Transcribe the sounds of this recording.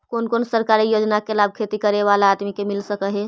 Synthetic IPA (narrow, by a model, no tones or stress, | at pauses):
konkonsəɾkaɾijod͡ʒnakelab̚kʰet̪ikəɾeʋalaːd̪mikemilsəkəɦɛ